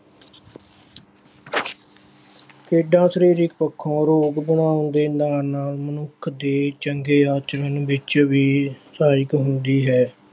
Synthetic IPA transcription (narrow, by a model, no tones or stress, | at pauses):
kʰeːɖãːsəɾiːɾɪkpəkʰːõːɾoːɡbənaːʊnd̪eːnaːɾnaːlmənʊkʰd̪eːt͡ʃəŋɡeːaːt͡ʃəɾənʋɪt͡ʃʋiːsaːɪkɦʊnd̪iːɦɛː